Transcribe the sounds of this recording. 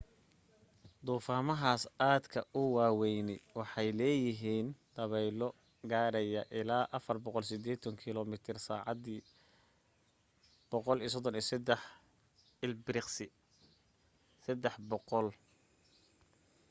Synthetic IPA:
d̪uːfaːmɐɦaːsaːd̪kʰɐʊwɑːwɛjnɛjwɑħɑjlɛːjɪɦiːnd̪̥ɐβɛjlɔ | ɡaːɾɛjɐʔɪlaːʔɐfɐrbɔqɔlsɪd̪ɛːt̪ʰɐŋkʰɪlɔmɪt̪ʰɪrsa̰ːʕɑd̪iː | b̥ɔqɔlis̬ɔd̪ɔnisɛd̪ɛħ | ɪlbɾɪqsɪ | sɛd̪ɛħbɔqɔl

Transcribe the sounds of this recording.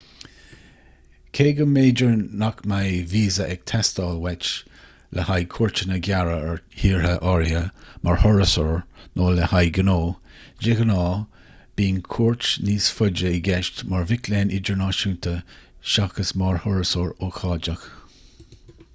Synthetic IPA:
kʰeːɡəmeːd͡ʒəɹnakmajviːzəʔɛɡ̥̚t̪ʰɛstɑːlwɛt͡ʃ | lʔəhajkʰuːɹt͡ʃənəɡjaɹəhiːɹhəʔɔɹjəmʔaɹhɔɹəsɔɹnʔoːləhajɡənoː | d͡ʒɪɡənɑː | b̥iːnkʰuːɹt͡ʃniːsfʊd͡ʒəɪɡɛʃtmaɹvɪkleːnɪd͡ʒəɹnɑːʃuːntəʃakəsmaɹhɔɹəsɔɹoːxʰɑːd͡ʒəx

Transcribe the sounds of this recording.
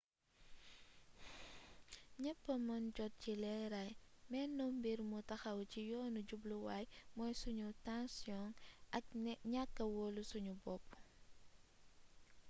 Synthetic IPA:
ɲɛpːɐmɐnɟɔt̚cilɛɾajmɛnːɔmbiɾmutɐxɐwcijɔːnuɟubluwajmɔjsuɲutãnsjɔnʔɐk̚ɲakːɐwoːlusuɲubɔpː

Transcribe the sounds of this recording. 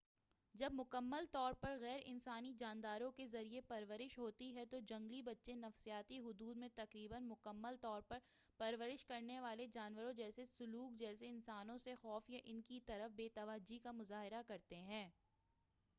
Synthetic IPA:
d͡ʒɐbmʊkəmːəlt̪ɔːɾpɐɾɣɛːɾɪ̰nsaːnid͡ʒaːnd̪aːɾõkezɐɾiepɐɾʋəɾɪʃɦoːt̪iɦɛt̪od͡ʒɐ̃ŋɡlibɐtːʃẽnɐfsijaːt̪iɦʊd̪uːd̪mẽt̪ɐqɾiːbənmʊkəmːəlt̪ɔːɾpɐɾ | pɐɾʋəɾɪʃkɐɾneʋaːled͡ʒaːnʋəɾõd͡ʒɛːsesʊluːkd͡ʒɛːs̬eɪnsaːnõsexɔːfjaʔɪnkit̪ɐɾəfbeːt̪ɐʋaːd͡ʒikamʊzaːɦɪɾakɐɾt̪eɦɛ̃ː

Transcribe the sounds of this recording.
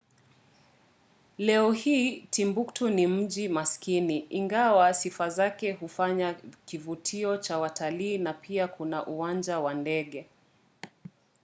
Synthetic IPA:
lɛɔhiːtʰimbuktunim̩ʄimaskiniiŋɡawasifazakɛɦufaɲakivutʰiɔt͡ʃawatʰaliːnapʰiakunaʔuwand͡ʒawandɛɠɛ

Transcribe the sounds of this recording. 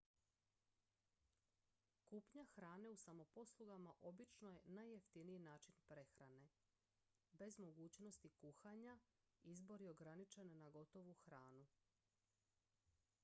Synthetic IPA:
kupɲaxɾaːne̞usamo̞po̞slˠuɡamaʔo̞bit͡ʃnojenajːeft̪iniinaːt͡ʃinpɾe̞xɾane̞ | be̞zmo̞ɡuːt͡ɕno̞st̪ikuxaɲa | izbo̞ɾio̞ɡɾanit͡ʃe̞nnaɡo̞t̪o̞ʋuxɾaːnu

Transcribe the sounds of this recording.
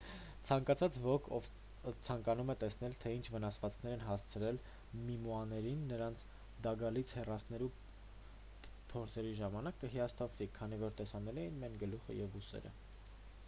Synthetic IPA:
t͡sʰɑŋkɑt͡sʰɑt͡svɔkʰɔv | t͡sʰɑŋkɑnumɛt̪ɛsnɛlt̪ʰɛint͡ʃʰvənɑsvɑt͡skʰnɛɾɛnɦɑst͡sʰəɾɛl | mimuɑnɛɾinːəɾɑnt͡sʰ | d̪ɑɡɑlit͡sʰhɛrɑsnɛɾu | pʰɔɾt͡sʰɛɾiʒɑmɑnɑkːəɦijɑst̪ʰɑpvikʰɑnivɔɾt̪ɛsɑnɛlɛjinmɛnɡəluχə̰jɛvusɛ̰ɾə̰

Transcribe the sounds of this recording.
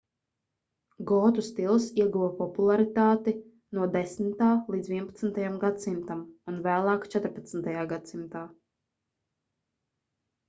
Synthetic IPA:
ɡɔːt̪ust̪ilˠsiɛɡuvapɔpulˠaɾit̪aːt̪i | nuɔd̪ɛsmit̪aːlˠiːd̪zviɛpat̪snt̪ajamɡat̪simt̪amunvæːlˠaːkt͡ʃɛt̪ɾpat̪snt̪ajaːɡat̪simt̪aː

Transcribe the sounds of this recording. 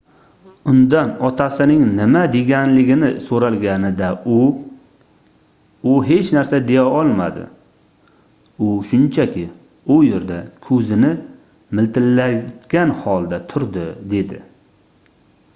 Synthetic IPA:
ʊnd̪anɒt̪ʰasɪnɪŋnɪmad̪e̞ɡʲanlɪɡʲɪnɪsoɾalɡʲanɪd̪aʊ | ʊɦe̞t͡ʃnaɾsad̪e̞jaɒlˠma̰d̪ɪ̰ | ʊʃʊnt͡ʃʰakʲɪ | ʊje̞ɾd̪akʰɵzɪnɪ | mɪlt̪ʰɪlːat̪ɡʲanhɒlˠd̪at̪ʰʊɾd̪ɪd̪e̞d̪ɪ̰

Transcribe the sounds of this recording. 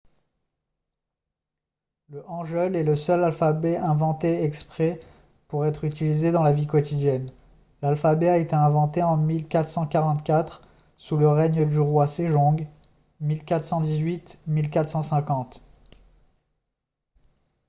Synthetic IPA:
ləʔɑ̃ʒœlɛləsœlalfabɛɛ̃vɑ̃t̪eɛkspχɛ | puʁɛt̪χyt̪ilized̪ɑ̃lavikɔt̪id̪jɛn | lalfabɛaet̪eɛ̃vɑ̃t̪eɑ̃milkat̪χsɑ̃kaʁɑ̃t̪kʲat̪χ | suləʁɛɲəd̪yʁwaseʒɔ̃ɡ | milkat̪χsɑ̃d̪izɥit̪milkat̪χsɑ̃sɛ̃kɑ̃t̪

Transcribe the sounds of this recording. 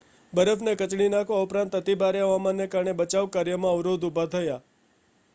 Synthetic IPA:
bəɾəfʰnekət͡ʃɽ̃inakʰõaupɾãnt̪ət̪ibaɾjaʋamãnːekaɾɳebət͡ʃaʋkaɾjəmãəʋɾod̪ubʱat̪ʰəja

